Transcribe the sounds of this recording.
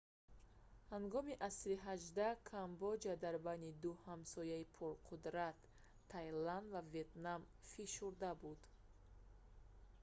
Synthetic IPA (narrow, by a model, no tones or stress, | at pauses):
haŋɡɔmiʔasɾiɦaʒd̪akʰambɔd͡ʒad̪aɾbanid̪uhamsɔjaipʰuɾqʰud̪ɾat̪ʰː | ajland̪vavet̪nam | fiʃuɾd̪abud̪